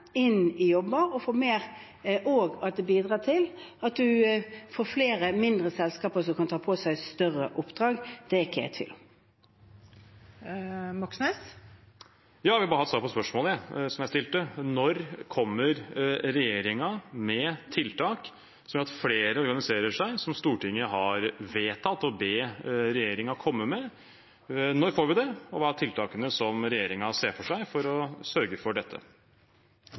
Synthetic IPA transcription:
ɪnːɪjɔbːəɔfoːmeːɾ | ʔoːɡɑt̪̚d̪ɛbiːd̪ʁɑːt̪ʰɪlɑt̪̚d̪ʉfoːfleːɾəmɪnd̪ʁəsɛlskɑːpəs̬ɔkʰɑnt̪ʰɑːpʰosæɪst̪œʁəʔʊpd̪̥ʁɑːɡd̪̥ɛɪkːəæ̰t̪ʰɪ̰l | mɑksnes | jɑːʋɪhɑbɑɾhɑt̪sɑːɾpʰɔspœʂmoːlɛsɔmjæst̪ɪlt̪ənɔɾkʰɔmːəɾɾɛjeːɾɪŋɑmɛt̪ʰɪlt̪ʰɑːk | sɔmjœɾɑt̪fleːɾəɔɾɡɑnɪseːɾəʂæɪsɔmst̪uːʈɪŋːəɦɑɾʋeːt̪ʰɑt̪ːɔbeːɾɛjeːɾɪŋɑkʰɔmːəmɛ | nɔɾfoːɾʋɪd̪ɛɔʋɑːæt̪ɪlt̪ʰɑːkənəsɔmɾɛjeːɾɪŋɑseːfɔʂæɪfɔɾɔsœɾɡəfɔɖɛt̪ʰːə̰

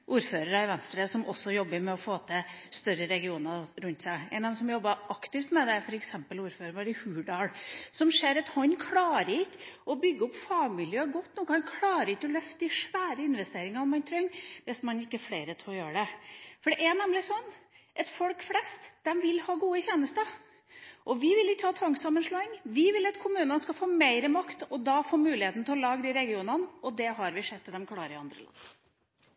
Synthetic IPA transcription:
ʔuːɾføːɾəɾɑɪʋɛnst̪ɾəsɔmʔɔsːɔjɔbːəɾmɛɔfoːt̪ʰəst̪œɾəɾɛɡɪuːnəɾʉnt̪sæɪɛ̰ɪnɑd̪ɛmsɔmjɔbːɑʔɑkt̪ɪft̪mɛd̪ɛfɔɾɛksɛmpəluːɾføːɾəɳʋɑɾɪhʉːɖɑːlsɔmʂeːɾɛt̪hɔnːkʰlɑːɾəɪkːʔɔbʏɡːəɔpːfɑɡmɪljøːɡɔt̪ːnuːkhʰɑnkʰlɑːɾəɪkːɔlœft̪əɪʂʋæːɾəɪnʋɛst̪eːɾɪŋɑɾnmɑnt̪ʰɾœŋːʋɛsmɑnɪkːəɛɾfleɪɾət̪ʰlɔjøːɾəɖɛfɔɖɛʔæɳɛmlɪsɔnː | ʔɛt̪fɔlkflɛst̪d̪̥ɛmʋɪlhɑːɡuːəçeːnəst̪ə | ʔɔʋɪʋɪlɪkːəhʰɑt̪ʰʋɑŋsɑmːənʂloːɪŋʋɪʋɪlɑt̪kʰʊmʉːnənəskɑfoːmæɪɾəmɑkt̪ɔd̪ɑːfoːɾmʉːlɪheːt̪n̩t̪ʰɛlɔlɑːɡd̪ɪɾɛɡɪuːnənɔd̪ɛɦɑɾʋɪʂɛt̪ːd̪ɛmkʰlɑːɾəɾɪɑnd̪ɾə̰lɑ̰nː

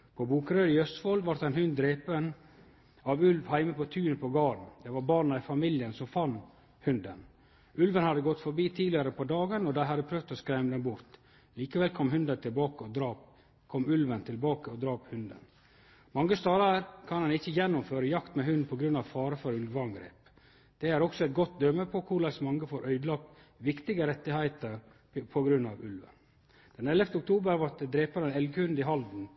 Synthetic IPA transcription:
pʰɔbuːkɾøːɾɪœst̪fɔlʋɑʈt̪d̪ɛɪnhʉnd̪d̪ɾeːpən | ɑʋʉlʋhæɪməpʰɔt̪ʰʉːnəpʰɔɡɑːɾn̩d̪ɛʋɑɾbɑːɳɑɪfɑmɪljənsɔmfɑnː | hʉnd̪ən | ʉlʋənhɑd̪əɡɔt̪ːfɔɾbiːt̪ʰiːlɪəɾəpʰɔd̪ɑːɡənɔd̪æɪhɑd̪ːəpʰɾœːʋd̪ɔskɾɛɪməd̪ɛnbʊɾt̪ | liːkəʋɛlkʰɔmɦʉnd̪ənt̪ʰɪlbɑːkəɔd̪ɾɑːp | kʰɔmːʉlʋənt̪ʰɪlbɑːkəɔd̪ɾɑːphʉnd̪ə̰n | mɑŋːəst̪ɑːɾɑɾkʰɑnhɑnɪçːəjɛnːʊmføːɾəjɑkt̪mɛɦʉnd̪pʰɔɡɾʉnːɑʋfɑːɾəfɔɾʉlʋɑŋɡɾḛːp | d̪̥ɛæɾɔksɔɛt̪̚ɡɔt̪̚d̪œməpʰɔkʰʊɭæsmɑŋːɡəfɔɾʔœʏd̪lɑːk̪̚ | ʋɪkt̪ɪɡəɾɛt̪ːɪhæɪt̪əɾ | pʰɔɡɾʉnːɑ̰ʋʉlʋə̰n | d̪̥ɛnɛləft̪əʊk̚t̪ʰuːbəɾʋɑt̪əd̪ɾeːpəɾɛnɛlɡəhʉnd̪ɪɦɑld̪n̩

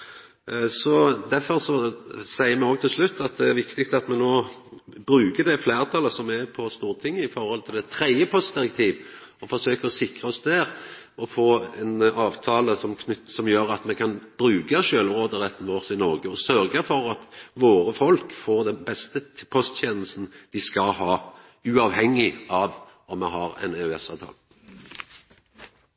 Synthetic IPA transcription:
sɔd̪æfɔɾsɔsæɪəɾmɛoːɡ̚t̪ʰɪlslʉt̪ːɑt̪̚d̪ɛæɾʋɪkt̪ɪk̚t̪ɑt̪mɛnoːbɾʉːkəd̪ɛfleːɾt̪ʰɑːləsɔmæpʰɔst̪uːɾət̪ʰɪŋːəɪfɔɾhɔlt̪ʰɪlɛt̪ʰɾɛɪəpʰɔst̪̚d̪ɪɾɛkt̪ʰiːʋɔfɔsøːkəɾɔsɪkɾʁəɔsd̪æːɾ | ɔfoːɛnɑːʋt̪ʰɑːləsɔmkʰnʏt̪ːsɔmjøːɾɑt̪mɛkʰɑnb̥ɾʉːɡəʃøːlʁoːd̪əʁɛt̪ːn̩ʋoːʁsɪnɔɾɡəɔsœɾɡəfɔɾɑt̪ʋoːɾəfɔlkfoːʁd̪ɛnbɛst̪əpʰɔst̪ʰeːnəlst̪n̩d̪̥ɪskɑhɑː | ʉɑːʋhɛŋːɪɑːʋ | ɔmːɛɦɑɾɛ̰nɛɛsɑːʋt̪ʰɑ̰ːlə

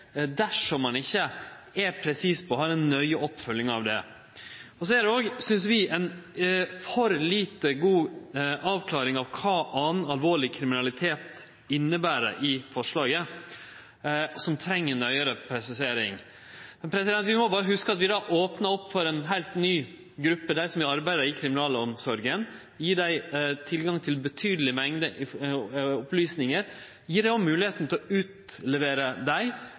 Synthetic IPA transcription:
d̪æʂɔmːɑnɪçːəɛpʰɾɛsiːspʰɔːɦɑːɾɛnːœʏɔpːfœlːɪŋɑ̰ʋd̪ɛ̰ | ɔsɔæd̪ɛoːɡsʏnsʋɪɛn | fɔɾliːt̪əɡuːʔɑːʋkʰlɑːɾɪŋɑʋkʰɑːʔɑnɑlʋoːɭɪkʰɾɪmɪnɑlɪt̪ʰeːt̪ | ɪnːəbæːɾə̰ʔɪfɔʂɭɑːɡə | sɔmt̪ʰɾɛŋːənœʏəɾəpʰɾɛsɪseːɾɪ̰ŋ | mɛnpʰɾɛsɪd̪ɛnt̪ʋɪmɔbɑːɾəɦʉskəɑt̪ʋɪd̪ɑːʔoːpnəɔpːfɔɾɛːnɦæɪlt̪nyː | ɡɾʉpːəd̪æɾsɔmɪɑɾbæɪd̪əɪkʰɾɪmɪnɑːləɔmsɔɾɡən | jiːɖæɪt̪ʰɪlɡɑŋt̪ʰɪlbət̪ʰyːd̪əlɪmɛŋd̪əʔɪ | ɔplyːsnɪŋəɾ | jiːɖɛɔmmʉːlɪheːt̪n̩t̪ʰɛlɔʉːt̪lɛʋeːɾəd̪æɪ

